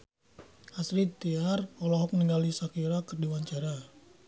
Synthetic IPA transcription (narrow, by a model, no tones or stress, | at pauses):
hasɾit̪iarɔlɔɦɔk̚niŋɡalisakiɾakərdiwaɲt͡ʃaɾa